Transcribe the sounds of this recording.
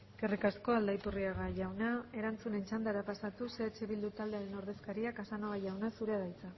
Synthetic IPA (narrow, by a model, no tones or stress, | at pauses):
ɡ̥erikasko̞ald̪ajpuriaɣaʝawnae̞ɾant͡sune̞nt͡ʃand̪aɾapasat̪useat͡ʃe̞βild̪ut̪ald̪eaɾe̞no̞ɾðe̞skaɾiakasanoɣaʝawnasuɾe̞aðajt͡sa